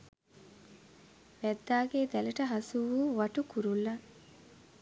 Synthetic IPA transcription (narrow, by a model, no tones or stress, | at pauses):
ʋæd̪ːaːɡeːd̪ɛlɐʈɐɦɐsuʋuːʋɐʈukuɾulːɐ